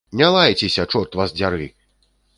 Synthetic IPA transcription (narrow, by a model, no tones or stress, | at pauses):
nʲalˠajt͡sʲesʲɐt͡ʂɔt̪vazd͡zʲaɾɨ